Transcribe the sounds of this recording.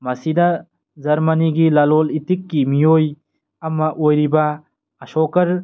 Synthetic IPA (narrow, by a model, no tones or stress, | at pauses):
mɐsidɐ | zɐɾmɐniɡilɐlolitikːimijoj | ɐmɐʔojɾibɐː | sɔkɐɾ